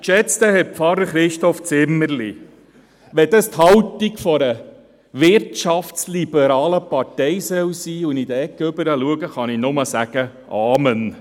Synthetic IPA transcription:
ʃɛt͡st̪əɦɛt̚pfɑɾəɾχɾɪʃtɔft͡sɪmːəɾli | ʋɛd̪əst̪hɑwt̪ikfɔɾə | ʋɪɾtʃɑftslibəɾɑːləpɑɾtɛɪsœwsiːʊnid̥̪əɛkːʏbəɾəluəɡəχɑninʊməsæɡ̥ə | ʔɑːmən

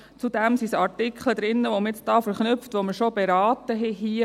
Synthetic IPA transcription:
t͡sudɛmsisɑɾtɪkʰχləd̪ɾɪnːəʋomɪt͡sd̥ɑːfəɾχnʏpftʋoməʃobɛɾɑːtəɦɛɦiə

